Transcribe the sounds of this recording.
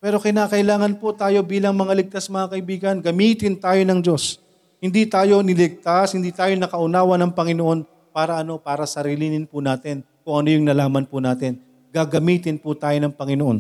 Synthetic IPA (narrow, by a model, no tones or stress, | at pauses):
pɛːɾo̞kɪnaːkɐʔɪlaːŋɐnpʊt̪aːjo̞biːlɐŋmɐŋalɪɡ̚t̪asmɐŋakɐʔɪbiːɡɐnɡɐmiːt̪ɪnt̪aːjo̞nɐŋd͡ʒo̞s | hɪnd̪it̪aːjo̞nɪlɪɡ̚t̪ashɪnd̪iːt̪aːjonɐkɐʔʊnaːwɐnɐŋpɐŋɪnoʔo̞n | paːɾɐʔɐno̞paːɾɐsɐɾiːlɪnɪnpʊnaːt̪ɪn | kʊŋʔɐno̞jʊŋnɐlaːmɐnpʊnaːt̪ɪn | ɡ̥aɡɐmiːt̪ɪnpʊt̪aːjo̞nɐŋpɐŋɪnoʔo̞̰n